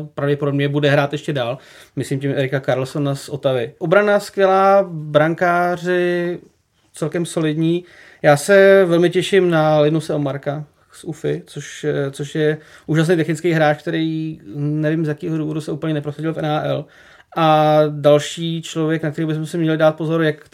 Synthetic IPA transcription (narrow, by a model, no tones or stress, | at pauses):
pɾavɟɛpodobɲɛbudɛɦɾaːt̪jɛʃcɛdaːl | mɪslimcɪmʔɛɾɪkakaɾl̩sonasʔo̞t̪avɪʔobɾanaskvjɛlaːbɾaŋkaːr̝ɪ | t͡sɛlkɛmso̞lɪdɲiː | jaːsɛvɛlmɪcɛʃɪmnalɪnusɛomaɾka | sʔufɪt͡soʃt͡soʃjɛ | ʔuːʒas̬nɛjt̪ɛxnɪt͡skejɦɾaːt͡ʃk̚t̪ɛɾijnɛvɪmzjakiːɦoduːvo̞dusɛuːplɲɛnɛpɾosaɟɪlfɛnɦaːʔɛ̰l | ʔadalʃiːt͡ʃlovjɛknakt̪ɛɾiwbɪs̬mɛsɪmɲɛlɪdaːt̪̚po̞zoɾjak